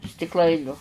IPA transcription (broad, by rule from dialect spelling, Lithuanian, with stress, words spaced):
sʲtʲɪkˈlˠɐɪnʲʊ